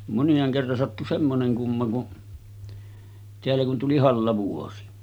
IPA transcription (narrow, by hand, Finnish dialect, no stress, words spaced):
monjɑːŋ kerːɑn sɑtːu semːoneŋ kumːɑ kun teælːæ kun tuli hɑlːɑʋuosi